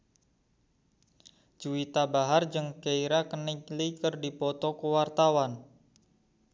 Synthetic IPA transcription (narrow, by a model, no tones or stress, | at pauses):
d͡ʒ̥uwit̪abaɦard͡ʒɨŋkeiɾakəniklikərdipɔt̪ɔkəwart̪awan